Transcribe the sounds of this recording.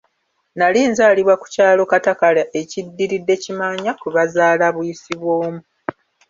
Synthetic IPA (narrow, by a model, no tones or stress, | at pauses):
naliːnzaːliβwaku̥caːlo̞katakalaʔecidːiɾidːe̞cimaɲakuβazaːlaβwjisiβwo̞ːmu